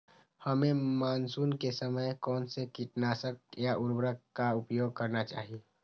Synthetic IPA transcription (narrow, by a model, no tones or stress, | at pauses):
həmẽmaːnsuːnkesəməjkɔːnsekiʈnaːsək̚jaʔʊɾbɾəkːaʊpjoːɡ̚kəɾnat͡ʃa̰ːɦie